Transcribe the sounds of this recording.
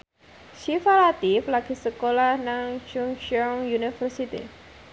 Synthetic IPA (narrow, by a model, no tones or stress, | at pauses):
ʃifalat̪iflaɡ̥isəkolahnaŋt͡ʃuŋʃɔŋjunifərsit̪ḭ